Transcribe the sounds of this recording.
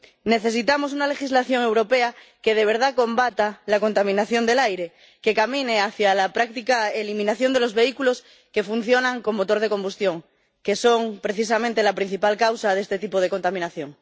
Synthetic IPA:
ne̞θe̞sit̪amo̞s̬unale̞xizlaθjo̞ŋe̞wɾo̞pe̞a | ke̞ð̞e̞β̞e̞ɾð̞ako̞mbat̪alako̞nt̪amĩnaθjo̞nd̪e̞lajɾe̞ | ke̞kamĩneaθjalapɾak̚t̪ikaelimĩnaθjo̞nd̪elo̞zβe̞ikulo̞s | ke̞fun̟θjo̞nãŋko̞mːot̪o̞ɾð̞e̞ko̞mbust̪jo̞ŋ | ke̞so̞ŋpɾe̞θis̬amẽnt̪e̞lapɾin̟θipalkawsaðe̞st̪e̞t̪ipoð̞eko̞nt̪amĩnaθjo̞ŋ

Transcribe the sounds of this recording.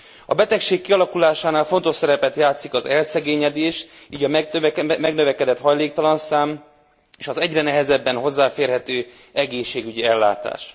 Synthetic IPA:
ɒbɛt̪ɛkʃeːkːiɒlɒkulaːʃaːnaːlfo̞nt̪o̞ʃsɛɾɛpɛt̪jaːt̪sikɒzɛlsɛɡeːɲɛd̪eːʃiːɟɒmɛɡnø̞vɛkɛd̪ɛt̪hɒjleːk̚t̪ɒlɒnsaːm | eːʃɒzɛɟrɛnɛɦɛzɛbːɛnɦo̞zːaːfeːrɦɛt̪øː | ɛɡeːʃːeːɡyɟiɛlːa̰ːt̪a̰ːʃ

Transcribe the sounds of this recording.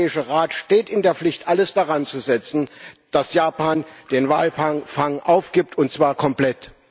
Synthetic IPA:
ɪʃəʁaːtʃteːtɪndeːɐflɪçtʔaləsd̥aʁant͡suzɛt͡sn̩d̥asjaːpaːnd̥eːnvaːlfaŋfaŋʔaʊfɡ̥iːp̚tʰʊntt͡sv̥aːɐkʰɔmpl̥ɛt

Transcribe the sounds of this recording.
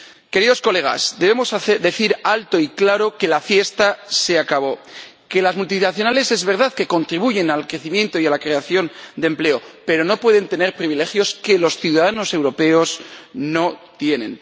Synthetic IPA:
ke̞ɾiðo̞sko̞le̞ɣ̞a̰zd̪e̞βe̞mo̞saθðe̞θiɾalt̪o̞iklaɾo̞ke̞lafje̞st̪ase̞akaβ̞o̞ | ke̞lazmult̪inaθjo̞nale̞se̞zβe̞ɾðaðke̞ko̞nt̪ɾiβuʝe̞nalkɾe̞θimjent̪o̞ialakɾe̞aθjo̞nd̪emple̞o̞pe̞ɾo̞no̞pwe̞ð̞e̞nt̪e̞ne̞ɾpɾiβile̞xjo̞ske̞lo̞sθjuðaðano̞se̞wɾo̞pe̞o̞sno̞t̪je̞nẽ̞n

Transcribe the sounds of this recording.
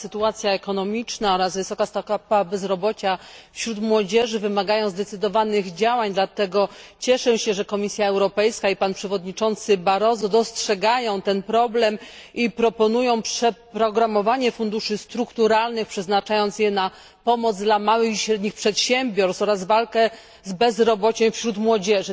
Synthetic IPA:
sɘt̪uat̪sʲjaɛkɔnɔmʲit͡ʂnaɔɾazvɘsɔkast̪akapabɛzɾɔbɔt͡ɕafɕɾut̪mwɔd͡ʑɛʐɘvɘmaɡajɔ̃w̃zd̪ɛt̪sɘd̪ɔvanɘɣd͡ʑawaɲd̪lat̪ɛɡɔt͡ɕɛʂɛɕɛʐɛkɔmʲisʲjaɛwɾɔpɛjskaipanpʂɛvɔd̪ɲit͡ʂɔnt̪sɘbaɾɔzɔd̪ɔstʂɛɡajɔ̃w̃t̪ɛnpɾɔblɛmʔipɾɔpɔnujɔ̃w̃pʂɛpɾɔɡɾamɔvaɲɛfund̪uʂɘst̪ɾukt̪uɾalnɘxpʂɛznat͡ʂajɔnsjɛna | pɔmɔd̪zd̪lamawɘxiɕɾɛd̪ɲixpʂɛt̪ɕɛmbʲjɔɾsɔɾazvalkɛ | zbɛzɾɔbɔt͡ɕɛ̃w̃fɕɾut̪mwɔd͡ʑɛʐɘ

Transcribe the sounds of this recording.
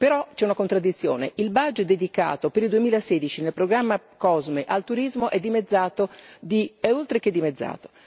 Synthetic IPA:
peɾɔt͡ʃɛunakont̪ɾad̪it̪sːjo̰ːnḛʔilbad͡ʒetd̪ed̪ika̰ːt̪opeɾild̪uemiːlaseːd̪it͡ʃinelpɾoɡɾamːa | kɔzmeʔalt̪uɾizmoʔɛd̪ːimed̪zːaːt̪od̪iɛolt̪ɾeked̪ːimed̪zːa̰ːt̪o̥

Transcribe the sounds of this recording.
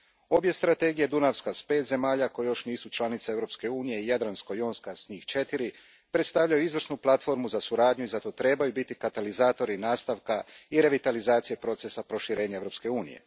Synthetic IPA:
o̞bje̞st̪ɾat̪e̞ɡije̞d̪unaʋskaspe̞ːt̪ze̞maːʎako̞jejo̞ʃniːsut͡ʃlˠanit̪see̞ʋɾo̞pske̞uːnije̞ijad̪ɾansko̞joːnskasɲiːxt͡ʃe̞t̪iɾi | pɾe̞t̪st̪aʋvʎajuizʋr̩snuplˠat̪fo̞ɾmuzasuɾaːd̪ɲuizat̪o̞t̪ɾe̞ːbajubit̪ikat̪alizaːt̪o̞ɾinaːst̪aʋkaiɾe̞ʋit̪alizaːt̪sijepɾo̞t̪sesapɾo̞ʃiɾe̞ːɲaeɾo̞ːpske̞uːnḭjḛ

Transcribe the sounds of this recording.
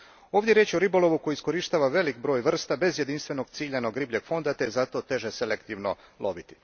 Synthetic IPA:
o̞ːvd̪ʲje̞ɾjeːt͡ɕioɾibo̞lo̞ʋuko̞jiːisko̞ɾiʃt̪aːʋaʋe̞likbɾo̞ːjʋr̩st̪abe̞zje̞d̪inst̪ʋe̞no̞ɡt̪siːʎano̞ɡɾibʎeɡ̥fo̞nd̪at̪ezat̪o̞t̪e̞ʒeselekt̪iʋnolˠʔo̞̰bit̪i̥

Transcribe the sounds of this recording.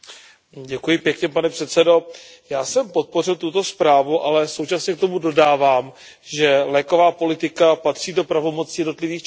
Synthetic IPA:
ɟɛkujɪpjɛkɲɛpanɛpr̥ɛt̪sɛdo̞ | jaːsɛmpo̞t̪̚po̞rɪlt̪ut̪o̞spɾaːvuʔalɛso̞wt͡ʃasɲɛkt̪o̞mudo̞daːvaːm | ʒɛlɛːko̞vaːpo̞lɪt̪ɪkapat̪r̥iːdo̞pɾavo̞mo̞t͡sijɛdno̞t̪lɪviːxt͡ʃ

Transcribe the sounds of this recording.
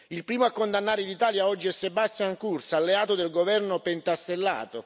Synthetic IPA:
ilpɾiːmoakːond̪anːaːɾelit̪aːljaɔd͡ʒːiɛsːebast̪jaŋkurt̪saːlːeaːt̪od̪elɡovɛrnopent̪ast̪elːa̰ːt̪o

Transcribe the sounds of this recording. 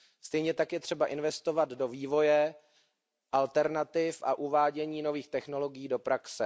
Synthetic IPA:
st̪ɛjɲɛt̪akjɛt̪r̥ɛbaʔɪnvɛst̪o̞vad̪do̞viːvo̞jɛ | ʔalt̪ɛɾnat̪ɪfʔa̰ʔuvaːɟɛɲiːno̞viːxt̪ɛxno̞lo̞ɡɪjiːdo̞pɾaksɛ

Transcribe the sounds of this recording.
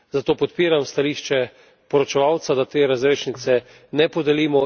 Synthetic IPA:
zat̪oːpɔt̪piːɾamst̪aliːʃt͡ʃɛ | pɔɾɔt͡ʃɛʋawt̪sad̪at̪eːɾazɾeːʃnit̪sɛ | nɛpɔd̪ɛliːmɔ

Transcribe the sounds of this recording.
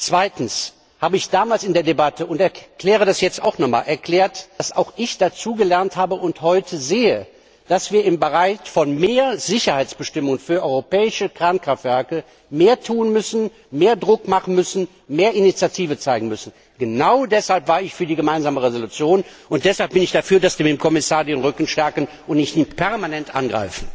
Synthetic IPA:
t͡sv̥aɪtn̩s | haːbəɪçd̥aːmaːlsɪndeːɐdebatʰəʊntɛɐkl̥ɛːʁ̞ədasjɛt͡sta̰ʊxnɔχma̰ːlʔɛɐkl̥ɛːɐtd̥asa̰ʊxɪçd̥at͡suːɡəlɛɐnthaːbəʔʊnthɔʏtʰəzeːə | d̥asv̥iːɐɪmbəʁaɪçfɔnmeːɐzɪçɐhaɪt͡sb̥əʃtɪmʊŋənfyːɐʔɔʏʁopɛːɪʃəkʁ̥aːnkʁ̥aftv̥ɛɐkə | meːɐtʰuːənmʏsn̩ | meːɐdʁʊkmaχn̩mʏsn̩ | meːɐɪnit͡sjatʰiːvət͡saɪɡŋ̩mʏsn̩ | ɡ̥ənaʊdɛshalpv̥aːɐɪçfyːɐdiːɡəmaɪnzaːməʁezolut͡sjoːnʔʊnt̚d̥ɛshalp̚b̥ɪnɪçd̥afyːɐdasv̥iːɐmɪmkʰɔmɪsaːɐdeːnʁʏkn̩ʃtɛɐkən | ʔʊntnɪçtiːpʰɛɐmanɛntʔa̰nɡʁa̰ɪfn̩

